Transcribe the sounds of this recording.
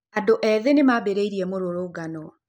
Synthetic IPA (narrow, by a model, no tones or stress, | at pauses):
adoʔɛðenemabeɾeiɾiɛmoɾoɾoːɡanɔ